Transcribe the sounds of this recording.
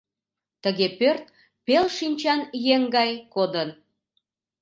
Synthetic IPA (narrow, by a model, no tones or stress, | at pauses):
t̪əɣepørt̪̚ | pelʃinʲt͡ɕɑnjeŋɡɑjkod̪ən